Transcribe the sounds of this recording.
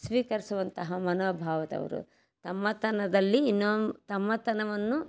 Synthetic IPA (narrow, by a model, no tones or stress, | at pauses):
sʋiːkɐɾisuʋɐnt̪ɐɦɐmɐnoːbʱaːʋɐt̪ɐ̰ʋɐ̰ɾṵ | t̪ɐmːɐt̪ɐnɐd̪ɐlːiːnːoːt̪ɐmːɐt̪ɐnɐʋɐnːu